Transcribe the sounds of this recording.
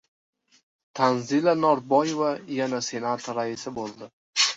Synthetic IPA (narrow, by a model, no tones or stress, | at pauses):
t̪ʰanzilanɒɾbɒjevajanase̞nat̪ɾaɪsɪbolˠd̪ɪ